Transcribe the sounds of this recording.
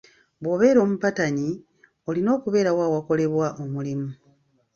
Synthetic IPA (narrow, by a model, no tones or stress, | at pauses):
βwo̞ːβe̞ːɾo̞ːmupataɲi | o̞lino̞ːkuβe̞ːɾawaːwako̞le̞βwaʔo̞mulimu